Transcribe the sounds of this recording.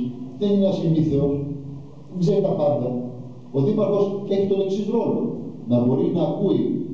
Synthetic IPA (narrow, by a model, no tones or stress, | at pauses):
ðenineɐsiniθeos | ɡzeɾot̪ɐpɐɾt̪ɐ | oðipɐɾxo̞seçit̪oleksizolo̰nɐbo̞ɾinɐːkui